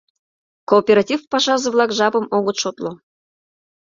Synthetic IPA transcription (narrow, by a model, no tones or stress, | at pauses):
koːpʲeɾɑtʲifpɑʃɑzə̆vlˠɑkʒɑpɤ̆moɣŏt̪ʃot̪lo